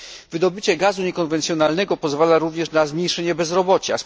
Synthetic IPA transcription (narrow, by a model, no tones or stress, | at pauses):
vɘd̪ɔbɘt͡ɕɛɡazuɲɛkɔnvɛnt̪sʲjɔnalnɛɡɔpɔzvalaɾuvɲɛʂnazmʲɲejʂɛɲɛbɛzɾɔbɔt͡ɕas